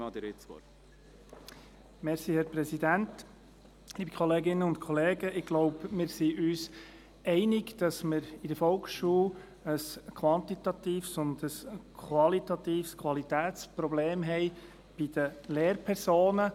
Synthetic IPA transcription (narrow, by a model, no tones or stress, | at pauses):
ɑd̪iɾɪsɔ̰ | mɛʁsiːhɛɾpɾɛsidænt | liːbəkʰɔleːɡɪnːəʊntkʰɔleːɡəʔɪɡɡ̥loʊbmɪːɾsiʔyːs | ɛɪnɪɡd̥ɑsmɪɾɪdəɾfɔlkʃuːl | əskʰʋɑnt̪it̪ɑt̪iːfsʊndəskʰʋɑlit̪ɑt̪iːfskʰʋɑlitæːt̪spɾɔbleːmɦɛɪ | b̥ɪd̥əleːɾpʰɛɾsoːnə